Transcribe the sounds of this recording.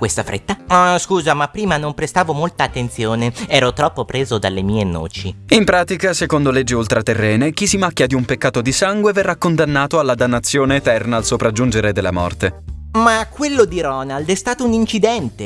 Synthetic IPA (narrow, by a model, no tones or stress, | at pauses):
kwest̪afɾʔḛt̪ːaɔskuːzamapːɾiːmanompɾest̪aːvomolt̪aːt̪ːent̪sjoːneɛːɾot̪ɾɔpːopɾeːzod̪alːemiːeno̰ːt͡ʃiimpɾaːt̪ikasekond̪oled͡ʒːiult̪ɾat̪erːɛːnek̟isimakːjad̪iumpekːaːt̪od̪isaŋɡweverːakːond̪anːaːt̪oalːad̪anːat̪sːjoːneːt̪ɛrnaːlsopɾad͡ʒːund͡ʒeɾed̪elːa̰mɔ̰rt̪emakːwelːod̪iɾɔnald̪ɛst̪aːt̪ounint͡ʃid̪ɛnt̪e